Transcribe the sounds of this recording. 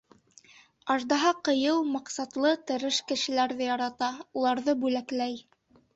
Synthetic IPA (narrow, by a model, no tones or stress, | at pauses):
ɑʒd̪ɑɦɑqɤ̆jɤwmɑqsɑt̪lˠɤt̪ɘ̆ɾɘʃkɘ̆ʃɘ̆læɾðɘjɑɾɑt̪ɑulˠɑɾðɤbʉlæklæj